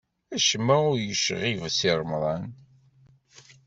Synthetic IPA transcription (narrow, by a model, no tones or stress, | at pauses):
æʃmːæʊɾjəʃʁivsiɾˤəmðˤɑn